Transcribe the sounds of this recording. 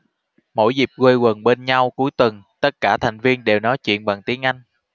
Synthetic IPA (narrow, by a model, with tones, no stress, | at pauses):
mo̰˧˥jzi˨˩p̚ɣwe˧jɣə˨˩nɓe˧nɲa˧wku˨˦jt̪wə˨˩nt̪ə˦˥t̚kaː˧˩t̪ʰa˨˩jŋ̟vi˧ənɗe˨˩wnɔ˨˦jt͡ɕwḭ˧˨ənɓa˨˩ŋt̪i˨˦ənʔa˧jŋ̟